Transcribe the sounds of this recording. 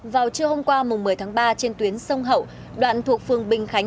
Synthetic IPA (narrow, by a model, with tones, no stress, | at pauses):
vaː˨˩wt͡ɕɨ˧əho˧mkwaː˧mʊ˨˩ŋ͡mːɨ˨˩jt̪ʰːŋɓaː˧t͡ɕe˧nt̪wi˨˦ənsə˧wŋ͡mɦə̰˧˨w | ɗwa̰ː˧˨nt̪ʰu˨˩ək̚fɨ˨˩əŋɓï˨˩ŋ̟xa˨˦j